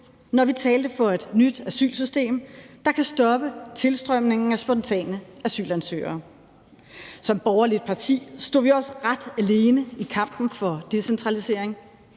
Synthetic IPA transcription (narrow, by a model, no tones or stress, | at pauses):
nɒʋit͡sʰɛːld̥əfɒ̽e̝d̥nyd̥æsy̰ːlsysd̥e̝̰ːmd̥ɑ̈kʰæsd̥ɒ̽b̥ət͡sʰe̝lsd̥ʁœm̰ne̝ŋŋ̩æsb̥ɒ̽nt͡sʰɛ̰ːnəæsy̰ːlænsø̰ːɐː | sɒ̽mb̥ɒʊɐlid̥̚pʰɑ̈t͡sʰḭːsd̥o̝̰ːʋiɒ̽sʁad̥æle̝ːnəikʰɑ̈m̰b̥n̩fɒ̽d̥e̝sent͡sʰʁɑ̈lise̝ɐ̰eŋ